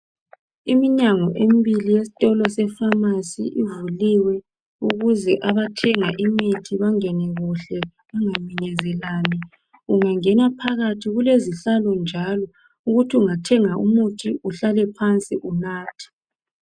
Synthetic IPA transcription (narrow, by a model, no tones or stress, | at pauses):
imiɲaŋɔʔembilijesi̥tʼɔlɔsɛfamasḭʔivuliwɛ | uɣuzɛʔaβatʰɛŋaʔimitʰiβaŋɛnɛɣuɬɛ | βaŋamiɲɛzɛlani | uŋaŋɛnapʰaɣatʰiɣuleziɬalɔnd͡ʒʱalɔ | uɣutʰiuŋatʰɛŋaṵmutʰiuɬalɛpʰant͡sʼiʔunaːtʰi̥